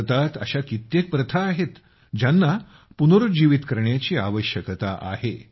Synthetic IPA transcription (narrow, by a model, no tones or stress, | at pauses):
t̪at̪ə̰ɕakit̪jek̚pɾət̪ʰaːɦet̪ | d͡ʑanːa | punoɾud͡ʑiʋit̪kəɾɳjat͡ɕiːa̰ʋəɕjəkət̪a̰ʔa̰he